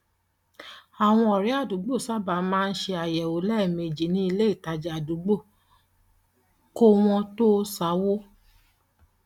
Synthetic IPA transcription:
a˨w̃ɔ̃˧ɔ˨ɾi˨˦a˦˨du˨˦ɡ͡bo˦˨sa˦ba˨˦mãː˦˧n̩˦ʃe˧a˨jɛ˨o˨˦lɛ˦˨mẽ˨d͡ʒi˨˦nĩ˦i˧le˦i˦˨ta˧d͡ʒɛ˨a˨du˨˦ɡ͡bo˦˨ | ko˦w̃ɔ̃˧to˦sa˨˦wo˦

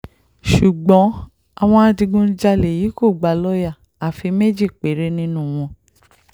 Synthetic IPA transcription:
ʃu˨ɡ͡bɔ̃˨˦ | a˦˧w̃ɔ̃˧a˧dĩ˧ɡũ˧˦d͡ʒa˧le˨ji˨˦ko˦˨ɡ͡ba˨lɔ˦ja˦˨ | a˨fi˧me˦d͡ʒi˦˨k͡pe˨˦ɾe˦nĩ˦nũ˦˨w̃ɔ̃˧

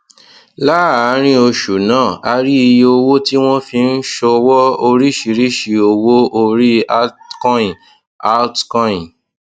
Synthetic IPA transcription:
la˦a˨˦ɾ̃ĩ˦o˧ʃu˨nãː˨˦˨a˧ɾi˦i˧o˧wo˦ti˦w̃ɔ̃˦fĩ˧n̩˦ʃɔ˧wɔ˦o˧ɾi˦ʃi˧ɾi˦ʃi˨o˧wo˦o˧ɾi˦a˦kɔ̃˦ĩ˨ | a˦tkɔ̃˦ĩ˨

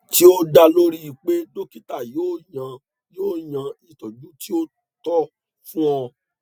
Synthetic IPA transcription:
ti˦o˦da˧lo˦ɾi˦i˨k͡pe˦do˦ki˦ta˦˨joː˦˨jã˧ | joː˦˨j̃ã˧i˨tɔ˨d͡ʒũ˦ti˦o˦ | tɔ˦ | fũ˦ɔ̃˧

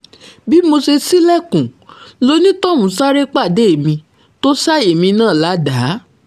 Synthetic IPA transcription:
bi˦mo˧se˧si˦lɛ˦˨kũ˨˦lo˧˦nĩ˦tɔ˦˨mũ˨˦sa˦ɾe˦k͡pa˦˨de˨˦e˨mĩ˧ | to˦sa˦e˨mĩ˧nãː˦˨la˨˦da˨˦

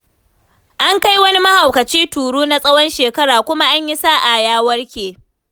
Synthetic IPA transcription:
ʔa˦ŋka˦jwɐ˦ni˦mɐ˦ha˨wkɐ˨t͡ʃiː˦tuː˨ɽuː˦na˦sʼɐ˦wɔ˦nʃeː˨kɐ˦ɽaː˨kʷʊ˦ma˦ʔa˦ɲji˦saː˦˨ʔa˨jaː˦wɐ˦rkʲeː˨

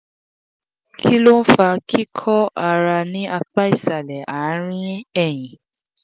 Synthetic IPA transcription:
kʰi˦lo˦fa˧kʰi˦kʰɔ˦a˧˨ɾa˧nĩ˦ʔa˧k͡pa˦i˦˨sa˨lɛ˨a˨˦ɾ̃ĩ˦ɛ˦˨j̃ĩ˨

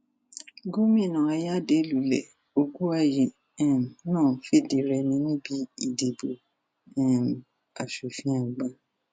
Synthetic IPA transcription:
ɡo˦mĩ˦˨nã˨a˧ja˦˨de˨˦lu˨˦lɛ̰˨ | o˧ɡu˦a˦ji˨ | ɛ̃˦˨m˨nãː˦˨fi˦˨de˨˦ɾɛ˧nĩ˧nĩ˦bi˦i˦˨de˨bo˨ | ɛ̃˦˨ | a˨ʃu˨fĩ˦ã˨ɡ͡ba˧˦

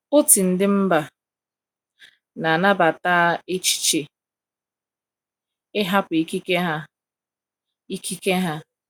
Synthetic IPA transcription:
ʊ˦ti˨n̩˨dɪ˦m̩˦ba˨ | na˨na˦ba˨taː˦e˦t͡ʃi̥˦t͡ʃe˨ | ɪ˦ɦa˦pʊ˨i˦ki˦ke˦ɦa˦ | i˦ki˦ke˦ɦa˦

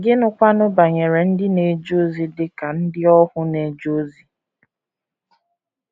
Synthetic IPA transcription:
ɡɪ˦nʊ˦kʷa˦nʊ˦ba˨ɲe˨ɾe˨n̩˦dɪ˦ne˨d͡ʒo˦zi˨dɪ˦ka˨n̩˦dɪ˦ɔ˦hʊ˦ne˨d͡ʒo˦zi˨

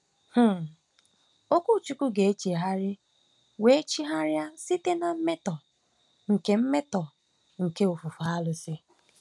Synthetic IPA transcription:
h̩˦ | o˦kʷu˦˨t͡ʃu˦ku˦ɡe˨e˦t͡ʃe˨ɦa˦ɾɪ˦ | we˦e˦t͡ʃi˦ɦa˦ɾja˦si˦te˦na˨m̩˦me˦tɔ˨ | ŋ̩˨ke˨m̩˦me˦tɔ˨ | ŋ̩˨ke˦o˨fʊ˨fa˨˦a˦lʊ˨sɪ˦

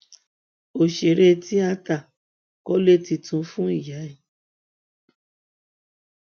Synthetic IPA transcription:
o˨ʃe˨ɾe˧˦tʰi˦a˧ta˨ | kɔ˦le˦ti˧tũ˧˦fũ˦i˦˨ja˨˦i˦˨

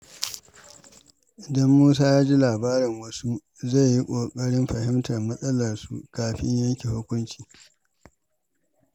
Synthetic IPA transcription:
ʔɪ˨dɐ˦mːuː˦s̬aː˦jaː˦d͡ʒi˦laː˨baː˦ɾɪ˨ŋwɐ˦su˦ | za˦˨jji˦kʷʼoː˨kʼɐ˦ɽɪ˦mɸɐ˨hɪ˦mtɐ˨rmɐ˦sʼɐ˦lɐ˨rsṵ˨kaː˨ɸɪ̰˦ɲjɐ˦ŋkʲi˨hʊ˦kʷʊ˦nt͡ʃi̥ː˨

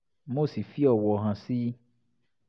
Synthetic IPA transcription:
mo˦˨si˨fi˦ɔ˨wɔ˨ɦã˨si˦

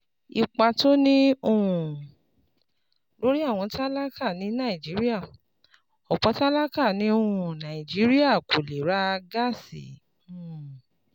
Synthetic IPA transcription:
i˧k͡pa˧to˦nĩ˦o˧ɾũ˨ | lo˨˦ɾi˦a˦˨w̃ɔ̃˧ta˦la˦ka˦˨nĩ˨˦nã˦˨i˨d͡ʒi˨˦ɾi˦a˦˨ | ɔ˨k͡pɔ˨˧˦ta˦la˦ka˦˨nĩ˨˦o˧ɾũ˨nã˨i˨d͡ʒi˨˦ɾi˦a˦˨ko˨le˨ɾa˦˧ɡa˦˨sḭ̃˨˦˨

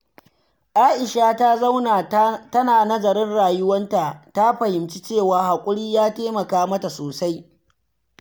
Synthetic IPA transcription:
ʔaː˦ʔɪ˨ʃaː˦ta˦zɐ˦wna˨tɐ˦naː˨nɐ˦zɐ˨ɾɪ˦nɽaː˨jʊ˦wɐ˦nta˨ta˦ɸɐ˨hɪ˨mt͡ʃi˦t͡ʃeː˦˨waː˨ha˨kʷʼʊ˦ɽiː˦jaː˦teː˦mɐ˨kaː˦mɐ˦ta˨soː˨sa˦j

